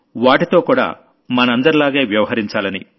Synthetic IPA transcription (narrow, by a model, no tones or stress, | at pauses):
ʋaːʈit̪o̞ːkuːɽa̰ː | mɐnɐɐnd̪ɐɾilaːɡe̞ːʋjɐʋɐɦɐɾiɲt͡ʃaːlɐni